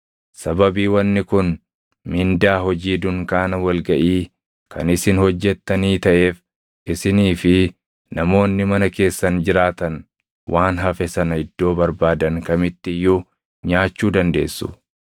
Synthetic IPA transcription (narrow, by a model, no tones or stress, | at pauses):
sɐbɐbiːwɐnːɪkʊn | mɪnd̪aːɦɔd͡ʒiːd̪ʊŋkaːnɐwɐlɡɐʔiː | kɐ̰nɪsɪnhɔd͡ʒːɛt̪ːɐniːt̪ɐʔe̞ːf | ʔɪsɪniːfɪ | nɐmo̞ːnːɪmɐnɐke̞ːsːɐnd͡ʒɪɾaːt̪ɐn | wʔaːnɦɐfɛsɐnɐɪd̪ːoːbɐɾbaːd̪ɐŋkɐmɪt̪ːɪjːʊ | ɲaːt͡ʃːuːd̪ɐnd̪e̞̰ːsːʊ̰